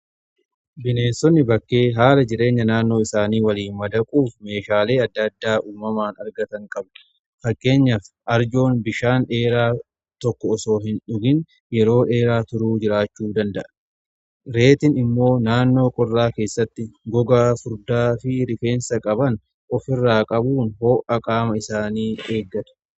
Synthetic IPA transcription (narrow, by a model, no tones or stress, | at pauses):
bɪne̞ːnsɔnːɪbɐkːe̞ːɦaːlɐd͡ʒɪɾe̞ːɲːɐnaːnːo̞ːɪsaːniːwɐliːnmɐd̪ɐkʼuːfme̞ːʃaːle̞ːɐd̪ːɐd̪ːaːʔuːmɐmaːnɐɾɡɐt̪ɐŋkʼɐb | fɐkːe̞ːɲːɐf | ʔɐɾd͡ʒo̞ːnbɪʃaːnᶑe̞ːɾaː | t̪ɔkːɔːso̞ːɦɪnᶑʊɡɪn | jɛɾo̞ːᶑe̞ːɾaːt̪ʊɾuːd͡ʒɪɾaːt͡ʃːuːd̪ɐnd̪ɐʔɐ̥ | ɾe̞ːt̪ɪnɪmːo̞ːnaːnːo̞ːkʼɔrːaːke̞ːsːɐt̪ːɪɡɔɡaːfʊɾd̪aːfɪɾɪfe̞ːnsɐkʼɐbɐn | ʔɔfɪrːaːkʼɐbuːnho̞ːʔɐkʼaːmɐɪsaːniːe̞ːɡːɐᶑ̪ɐ̥